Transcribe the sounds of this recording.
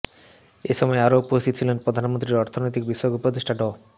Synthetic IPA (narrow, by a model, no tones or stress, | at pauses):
eʃɔmɔeaɾoupost̪it̪ot͡ɕʰilenpɾod̪ʱanmont̪ɾiɾɔɾt̪ʰonojt̪ikbiʃɔjokupod̪eʃʈʰaɖɔ